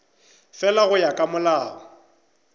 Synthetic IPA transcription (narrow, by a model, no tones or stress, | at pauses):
fɛlaɣʊjakʼamʊlaːɣɔ